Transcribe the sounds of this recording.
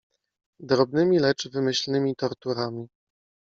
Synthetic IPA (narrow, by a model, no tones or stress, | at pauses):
d̪ɾɔbnɘmʲilɛt͡ʂvɘmɘɕlnɘmʲit̪ɔɾt̪uɾamʲi